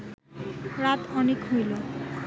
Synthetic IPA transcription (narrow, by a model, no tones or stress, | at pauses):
ɾat̪ɔnekɦujlo